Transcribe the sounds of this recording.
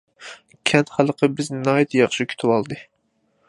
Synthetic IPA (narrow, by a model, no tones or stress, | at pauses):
kʲʰɛnt̪χælˠəqʰəbɪznɑːjt̪ʰjɑχʃikʲʰy̥t̪ʰɪwɑlˠd̪ɨ